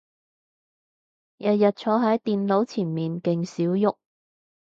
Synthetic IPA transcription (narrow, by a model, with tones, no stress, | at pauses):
jɐ˨t̚jɐ˨t̚t͡ʃʰɔː˨˥ɦɐ˨˥jt̪iː˨nlo˨˥wt͡sʰiː˨˩nmiː˨nkɪ˨˧ŋsiː˨˥wjʊ˥k̚